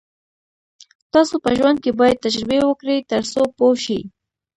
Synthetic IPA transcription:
t̪ɑsopəʒwand̪̚kebɑjad̪̚t̪ad͡ʒɾɪbewəkɽəjt̪əɾsopoʃḭ

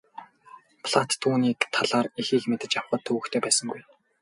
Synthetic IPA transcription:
pʰɮat̪ːʰuːniːkt̪ʰaɮaːrixiːkmet̪ɘ̆t͡ɕawχə̆t̪ʰːɵɣɘ̆kt̪ʰeːpæːsə̆ŋɡuj

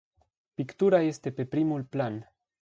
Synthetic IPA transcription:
pikt̪uɾaest̪e̞pepɾimulplan

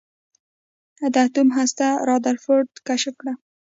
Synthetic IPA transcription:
ad̪at̪umɦast̪aɾɑd̪aɾfoɾd̪kaʃəkɽa

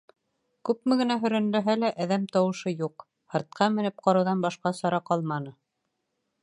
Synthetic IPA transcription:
kʉpmɘ̆ɡɘ̆næɦɵ̆ɾæ̆nd̪æɦælæʔæðæmt̪ɑwɤ̆ʃɤjuq | hɤ̆ɾt̪̚qʰɑmɘ̆nɘp̚qɑɾɤ̆wðɑnbɑʃqɑsɑɾɑqɑlˠmɑnɤ

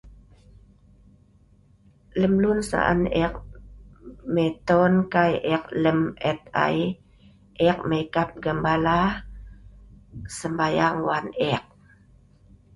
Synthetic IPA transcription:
ləmlunsa̰ʔa̰nɛk̚ | met̪ɔnkajʔɛk̚ləmɛt̪̚a̰j | ʔɛk̚məikap̚ɡəmbala | səmbajaŋwanɛk̚

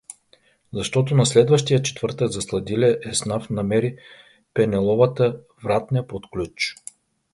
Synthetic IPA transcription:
zɐʃt̪ɔt̪ʊnɐslɛd̪vəʃt̪ijət͡ʃɛ̥t̪v̥ɤɾt̪əɡzɐslˠɐd̪ilʲɛʔɛsnafnɐmɛɾi | pɛnɛlˠɔvət̪ə | vɾat̪̚nijəpot̪klʲut͡ʃ

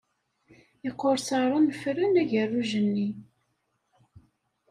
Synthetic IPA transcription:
əqːoɾsɑɾˤɑnfrːənæʝərːuʒənːi

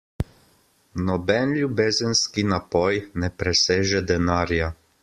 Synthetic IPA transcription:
nɔbɛnlʲjubeːzənskinapɔjnɛpɾɛseːʒɛd̪ɛnaːɾja

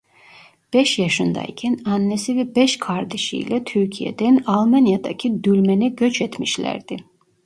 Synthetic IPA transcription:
b̥ɛʃjɑʃɯnd̪a̰icʰɛnanːɛsivɛbɛʃkʰaɾd̪ɛʃḭjlɛt̪ʰyɾcʰijɛ̰d̪ɛnalˠmanjad̪a̰cʰid̪ylʲmɛnɛɟøt͡ʃʰɛt̪miʃlʲæ̰ɾd̪̥i

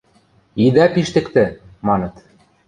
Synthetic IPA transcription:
id̪æpiʃt̪ɘ̆kt̪ɘ̆ | mɑnɤ̆t̪

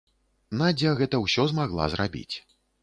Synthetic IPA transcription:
nad͡zʲaɣɛt̪ɐwsʲɔzmaɣlˠa̰zrabʲḭt͡sʲ

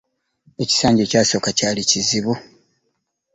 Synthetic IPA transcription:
e̞ci̥saːɲɟecaːso̞kacaːliciziβu

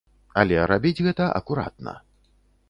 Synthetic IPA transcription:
ɐlʲɛɾabʲid͡zʲɣɛt̪ɐʔɐ̰kuɾa̰t̪̚nɐ̰

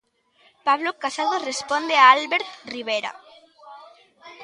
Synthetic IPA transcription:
paβlokasaðorespond̪eaalβeɾt̪riβ̞eɾa̰

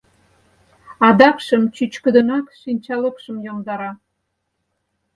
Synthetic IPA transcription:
ɑd̪ɑkʃəmt͡ɕyt͡ɕkəd̪ə̆nɑkʃinʲt͡ɕɑləkʃə̆mjomd̪ɑɾɑ

